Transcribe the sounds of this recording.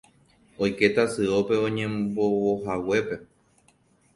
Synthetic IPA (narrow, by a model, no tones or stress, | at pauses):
ojke̞t̪asɨope̞õɲẽmbowoɦawe̞pe̞